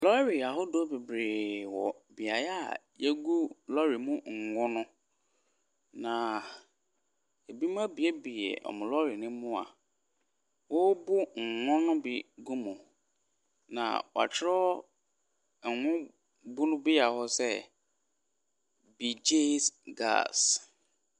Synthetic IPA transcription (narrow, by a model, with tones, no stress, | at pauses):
lɔ˦ɾi˨a˨ɦʊ˦do˦be˨bɾeː˨wɔ̰˨bi˨a˨ja˦˨je˦ɡu˦lɔ˦ɾi˨mʊ̃˦ŋ̩˨ŋʊ̃˦nʊ̃˦ | nã˨ | e˨bi˦m˦ã˦bi˨e˦bi˨jɛ̰˨ɔ̰˨mʊ̃˨lɔ˦ɾi˨nɪ̃˦mʊ̃˦a̰˨ | wɔ˦bʊ˦ŋ̩˨ŋʊ̃˦nʊ̃˦bi˦ɡu˦mʊ̃˨ | nã̰˨wɔ˨a̰˨t͡ɕʰɪ˦ɾɔ˦˨ | ŋʷʊ̃˦ | bʊ˦nʊ̃˦bɪ˦ja˨hɔ˦sɛ˦ | bi˨d͡ʒe˦sɡa̰ː˦˨s